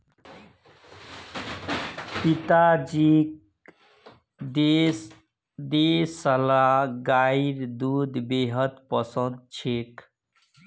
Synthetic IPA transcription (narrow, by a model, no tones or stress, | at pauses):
pit̪ad͡ʒik | d̪esʌlaɡajiɾd̪ud̪beɦʌt̪pʌsʌnd̪̚t͡ʃʰek